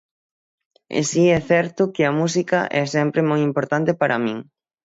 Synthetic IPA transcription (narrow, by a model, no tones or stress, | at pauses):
ḛsiɛθɛɾt̪ʊkɪɐmusikɐʔɛsɛmpɾemojimpoɾt̪ant̪ɪpaɾʔɐ̰mĩŋ